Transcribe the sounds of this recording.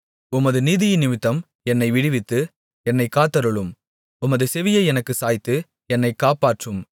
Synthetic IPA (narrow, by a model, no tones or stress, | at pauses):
ʊmɐðɯniːðɪjɪnɪmɪt̪ːɐm | ɛnːɐɪʋɪɽɪʋɪt̪ːɯ | ɛnːɐɪkːaːt̪ːɐɾɯɭɯm | ʊmɐðɯsɛʋɪjɐɪɛnɐkːɯsaːjɪt̪ːɯ | ɛnːɐɪkːaːpaːʈrɯm